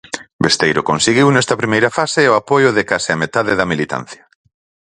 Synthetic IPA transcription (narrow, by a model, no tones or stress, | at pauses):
best̪ejɾʊkonseɣiwnɛst̪ɐpɾimejɾɐfasɪʊapojʊðɪkasɪamet̪aðɪðɐmilit̪a̰n̟θjɐ̥